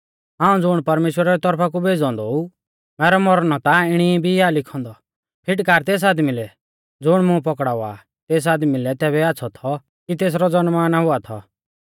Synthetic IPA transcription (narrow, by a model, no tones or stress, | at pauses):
ɦãːũd͡zʊɽ̃pɐɾmeːʃwəɾaɾit̪ɔɾpʰak̬ubʱeːd͡zɔ̃ːnd̪ɔu | mɛːɾɔmɔɾɽ̃ɔt̪aɪɽ̃ibʱialɪkʰɔ̃ːnd̪ɔ | pʰɪʈkaːɾt̪eːs̬aːd̪milɛ | d͡zʊɽ̃mʊ̃pɔkɽaːa̰ | t̪eːs̬aːd̪milɛt̪ɛːbɛaːtːsʰɔt̪ʰɔ | kit̪eːs̬ɾɔd͡zɔnmaːnaɦʊat̪ʰɔ̰